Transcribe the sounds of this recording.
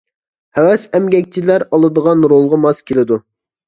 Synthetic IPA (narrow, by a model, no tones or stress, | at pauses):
hɛwɛsɛmɡʲɛkʲt͡ʃʰilæɾɑlˠɨd̪əʁɑnɾolˠʁɑmɑskʲʰelɪd̪u